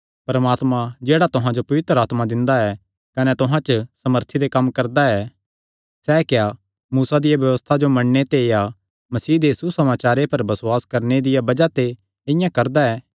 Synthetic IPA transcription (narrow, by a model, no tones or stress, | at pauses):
pɐɾɐmaːt̪mãd͡ʒeːɽat̪ʊɦãd͡ʒopɐʋɪt̪ɾəaːt̪mad̪ɪ̃nd̪aɛ | kɐnɛt̪ʊɦãt͡ʃəsɐməɾt̪ʰid̪ekɐmːkɐɾd̪aɛː | sɛːkeja | muːsad̪ɪjabjɐʋəst̪ʰad͡ʒomɐɳnet̪eja | mɐsiːd̪esusɐmaːt͡ʃaːɾepɐɾbɐsʊwaːskɐɾned̪ɪjabɐd͡ʒat̪e | ɪ̃jãkɐɾd̪aɛː